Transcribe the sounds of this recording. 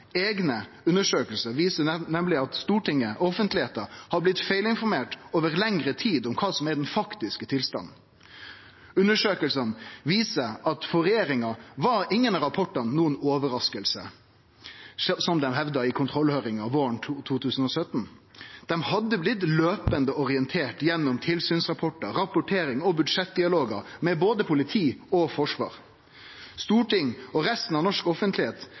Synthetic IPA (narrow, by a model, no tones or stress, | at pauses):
eːɡnə | ʉnəʂøːkəlsəʋiːsənɛmlɪɑt̪st̪uːʈɪŋːəʔɔfənt̪lɪheːt̪əhɑblɪt̪feɪlɪnfɔɾmeːʈoːʋəɾlɛŋɾət̪ʰiːd̪ɔmkʰɑːsɔmɛɖɛnfɑkt̪ɪskət̪ʰɪlst̪ɑ̰nn̩ | ʉnːəʂøːkəlsənʋiːsəɾɑt̪fɔɾɛjeːɾɪŋɑʋɑɾɪŋːənɾɑpʰɔʈːənuːənoːʋəɾɑskəlsə | sɔmd̪ɛmɦɛʋd̪ɑɪkʰʊnt̪ʰɾɔlːhøːɾɪŋɑʋʋoːəɳʰt̪ʰuːt̪ʰʉːsən̩ɔsœt̪n̩d̪̥ɛmhɑd̪ːəblɪt̪løːpənd̪əɔɾɪɛnt̪ʰeːʈjɛnːʊmt̪ʰɪlsyːnsʁɑpʰɔʈəɾɑpʊʈʰeːɾɪŋɔbʉd̪ʂɛt̪̚d̪ɪɑloːɡəɾmɛboːd̪əpʰʊlɪt̪ʰiːɔfɔʂʋɑ̰ːɾ | st̪uːʈɪŋːɔɾɛst̪n̩ɑʋnɔʂkɔfənt̪lɪheːt̪